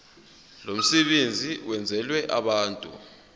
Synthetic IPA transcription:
lom̩sɛɓend͡zʱiwɛnd͡zʱɛlwɛʔaɓaːntʼṵ

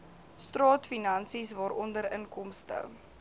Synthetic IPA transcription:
strɑːtfinɐnsisvɑːɾɔndəɾəŋkɔmstə̰

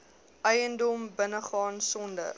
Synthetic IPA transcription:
ʔɛjəndɔmbənəχɑːnsɔndə̰

